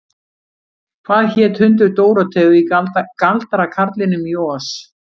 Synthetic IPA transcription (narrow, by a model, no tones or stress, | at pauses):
kʰvaːðçɛːt̪hʏnt̪̬ʏɾt̪oːwɾat̪ʰɛːɣʏikalt̪aɾakʰaɾt̪lɪnːʏmjoːas